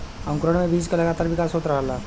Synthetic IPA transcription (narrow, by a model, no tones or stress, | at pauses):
ə̃ŋkɾəɽ̃mẽbʱiːd͡ʒkalɐɡaːt̪aːɾʋɪkaːsɦoːt̪ɾəɦlaː